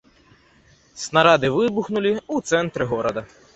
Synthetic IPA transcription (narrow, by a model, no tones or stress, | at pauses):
snɐɾɑd̪ɪʋɪbʊxnʊlʲiut̪sɛnt̪ɾɪɦɔɾɔd̪ɐ